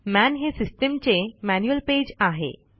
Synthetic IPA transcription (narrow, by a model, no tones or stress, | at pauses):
mænɦesisʈəmt͡ɕemænjuəlped͡ʑaɦḛ